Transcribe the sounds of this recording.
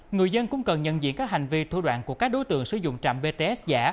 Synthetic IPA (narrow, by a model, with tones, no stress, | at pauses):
ŋɨ˨˩əjzə˧nkʊ̰˧˥ŋ͡mkə˨˩nɲə̰˧˨nzḭ˧˥ənkaː˦˥k̚ha˨˩jŋ̟vi˧t̪ʰṵ˧ɗwa̰ː˧˨nku˧˩əkaː˦˥k̚ɗo˨˦t̪ɨ̰˧˨əŋsɨ˧˩zʊ̰˧˨ŋ͡mt͡ɕa̰ː˧˨mɓe˧t̪e˧ʔɛ˦˥s̚zaː˧˩